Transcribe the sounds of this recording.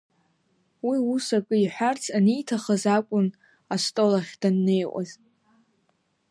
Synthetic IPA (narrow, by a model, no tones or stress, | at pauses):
wiusakʼɨiħʷᶣart͡sʰanijtʰaχazakʷʼʊn | astʼo̞laχʲd̥anːe̞jʔʷʼa̰z